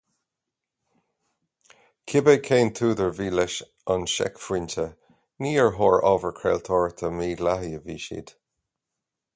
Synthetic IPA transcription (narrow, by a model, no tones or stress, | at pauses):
kʰɪbəkʰeːnt̪ʰuːdəɹviːlɛʃ | anʃɛ̰kfɹɪntʰə | niːəɹɦɔːɹɔvəɹkʰɹɛ̰ːlt̪ʰɔːɹt̪ʰəmiːɡlaɦiəvḭːʃḭːd̪̥